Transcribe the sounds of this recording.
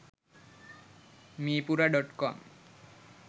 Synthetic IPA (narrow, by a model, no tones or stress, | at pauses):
mipuɾaɖɔʈkɔ̰m